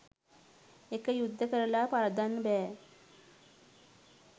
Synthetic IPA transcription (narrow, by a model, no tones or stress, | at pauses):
ekəjud̪ʱːəkəɾɐlapaɾɐd̪anbɛː